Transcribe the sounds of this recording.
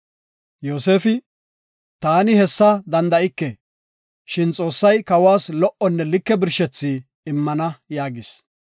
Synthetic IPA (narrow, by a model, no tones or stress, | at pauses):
jo̞ːse̞ːfɪ | t̪aːnɪhɛsːɐd̪ɐnd̪ɐʔɪkːɛ | ʃɪnt͡sʼo̞ːsːɐjkɐwaːslɔʔɔnːɛlɪkːɛbɪɾʃɛt͡sːiː | ɪmːɐnɐjaːɡɪs